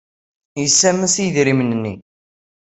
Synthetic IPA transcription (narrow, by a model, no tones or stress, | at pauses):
jəsːæməsijðɾimənənːḭ